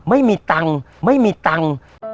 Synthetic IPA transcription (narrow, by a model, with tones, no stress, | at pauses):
mə˦jmi˧t̪a˨˧ŋ | mə˦jmi˧t̪a˧ŋ